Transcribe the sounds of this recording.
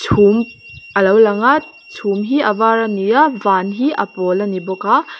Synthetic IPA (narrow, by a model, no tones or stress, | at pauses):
tʰumɐlawlɐŋat̚ | t͡ʃʰumɦiʔɐbaɾɐnijavanɦiʔɐ̰pɔlɐnibɔka